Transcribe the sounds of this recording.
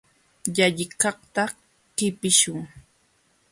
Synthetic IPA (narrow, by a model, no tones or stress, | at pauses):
jaʎɪkɑχt̪a | kɪpɪʃʊŋ